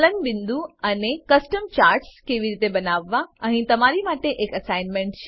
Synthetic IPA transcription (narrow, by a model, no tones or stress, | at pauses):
lənʋɪ̃nd̪ũɐnekɐsʈəmt͡ɕaːɾʈskeʋiɾiːt̪ebɐnaːʋːaə̃ɦĩt̪ɐmaɾimaːʈeʔeːkɐsaːɪnmẽɳʈt͡ʃʰ